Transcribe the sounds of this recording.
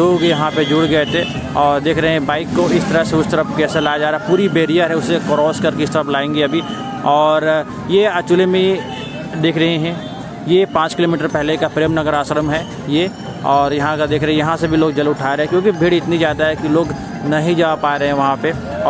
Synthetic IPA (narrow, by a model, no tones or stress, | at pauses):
oːɡjɐɦãped͡ʒʊɽɡɐt̪e | ɔːɾd̪eːkʰɾɐɦeɦɛ̃baːɪkːoɪst̪ɐɾaseʊst̪əɾəpkɛːsalaːjad͡ʒaːɾaːɦɛpuːɾibeːɾijəɾɦɛʊsːekɾɔːskɐɾkeɪst̪ɾəplaːẽːŋɡiɐbʱi | ɔːɾ | jeɐt͡ʃʊlemẽ | d̪eːkʰɾɐɦẽɦɛ̃ | jepãːt͡ʃkɪloːmiːʈəɾpɛɦlekapɾeːmnɐɡəɾaːsɾəmɦɛ | je | ɔːɾjɐɦãkad̪eːkʰɾɐɦɛ̃jɐɦãsebʱiloːɡ̚d͡ʒɐlʊʈʰaːeɾɐɦɛ̃kjõːkibʱeɽiɪt̪nizjaːd̪aɦɛkiloːɡ | nɐɦĩd͡ʒaːapaːɾɐɦɛ̃ʋɐɦãpe